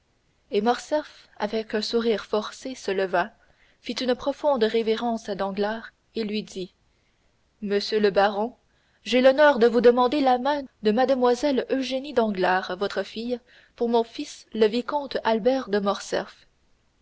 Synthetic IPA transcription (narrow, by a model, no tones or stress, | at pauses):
emɔʁsɛf | avɛkœ̃suʁiːʁfɔʁsesələva | fit̪ynpχɔfɔ̃d̪ʁeveʁɑ̃ːsad̪ɑ̃ɡlaːʁ | elɥid̪i | məsjøləbaʁɔ̃ | ʒelɔnœʁd̪əvud̪əmɑ̃d̪elamɛ̃d̪əmad̪əmwazɛløʒenid̪ɑ̃ɡlaːʁvɔt̪χəfij | puʁmɔ̃fisləvikɔ̃t̪albɛːʁd̪əmɔʁsɛ̰f